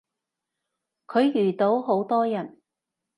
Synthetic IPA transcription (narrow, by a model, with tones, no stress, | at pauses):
kʰɵ˨˧ɥjyː˨˩t̪o˨˥wɦo˨˥wt̪ɔː˥jɐ˨˩n